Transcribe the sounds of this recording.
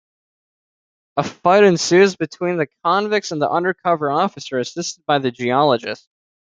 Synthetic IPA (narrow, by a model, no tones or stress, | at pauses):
əfaɪɾɨ̃nsʉzbɨtʰw̥ĩnðɨkʰɑ̃nvɪk̚sə̃n̩ðḭʔʌ̃ndə˞kʰʌvə˞ɔfɨsə˞ɨsɪstəd̚baɪðɨd͡ʒiɑlˠəd͡ʒɨ̰st̚